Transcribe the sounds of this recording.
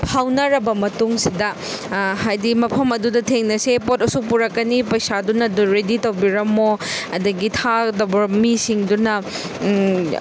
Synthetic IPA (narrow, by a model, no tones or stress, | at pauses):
pʰawnɐɾɐbɐmɐtuŋsidɐ | hajdimɐpʰɐmɐdudɐtʰeŋnɐsepotɐsuk̚puɾɐkːɐnipɐjsadunɐduɾeditɐwbiɾɐmoɐdɐɡitʰadɐbɐmisiŋdunɐ